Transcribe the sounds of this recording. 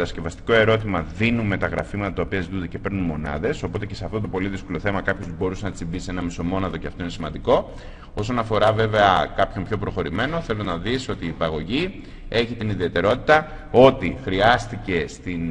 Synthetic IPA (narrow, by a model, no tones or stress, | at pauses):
ɐsce̞vɐst̪i̥ko̞e̞ɾo̞t̪imɐðinume̞t̪ɐɣɾɐ̰fimɐt̪ɐt̪ɐopiɐzit̪und̪ece̞pe̞ɾnunmo̞nɐ̰ðe̞so̞po̞t̪e̞ce̞seɐft̪o̞t̪o̞po̞liðisko̞lo̞θe̞mɐkɐpçost̪ubo̞ɾusenɐt̪simbisenɐmiso̞mo̞nɐðo̞ceɐft̪o̞inesimɐnd̪iko̞ | o̞so̞nɐfo̞ɾɐve̞ve̞ɐkɐpço̞mpço̞pɾo̞xo̞ɾime̞no̞θe̞lo̞nɐðiso̞t̪iːpɐɣo̞ʝi | e̞çit̪iniðie̞t̪e̞ɾo̞t̪it̪ɐ | o̞t̪ixɾiɐst̪ice̞st̪in